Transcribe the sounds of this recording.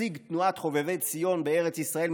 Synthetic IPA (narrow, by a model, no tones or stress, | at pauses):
iɡt̪nuat̪χo̞vevejt͡sijo̞nbeeʁet͡sisʁae̞l